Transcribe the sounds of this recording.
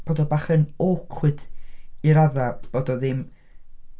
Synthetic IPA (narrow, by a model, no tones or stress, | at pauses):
b̥oːdɔbaχənɔkʰwɨdiɾaðab̥oːdɔðɪm